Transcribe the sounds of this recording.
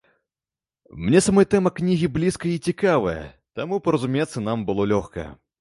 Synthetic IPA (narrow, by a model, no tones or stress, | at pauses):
mnʲɛsamɔjt̪ɛmɐknʲiɣʲiblʲiskɐjit͡sʲikavɐjɐ̰ | t̪amupɐɾɐzumʲɛt̪sːɐnambɨlˠɔlʲɔxkɐ̰jɛ̰